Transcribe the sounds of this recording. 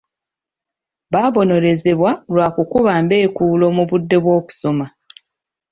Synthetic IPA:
βaːβo̞no̞ɾe̞ze̞βwalwaːkukuβaːmbe̞ːkuːlo̞muβudːe̞βwo̞ːku̥so̞ma

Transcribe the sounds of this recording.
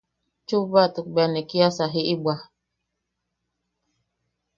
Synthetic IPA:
t͡ʃubatuk̚bɛnekiasaɦiʔibwa

